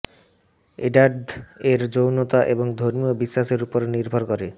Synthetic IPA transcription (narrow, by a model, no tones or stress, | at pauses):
eɖaɾɖeɾd͡ʑownot̪aʔeboŋd̪ʱoɾmiobiʃːaʃeɾupoɾniɾbʱoɾkoɾe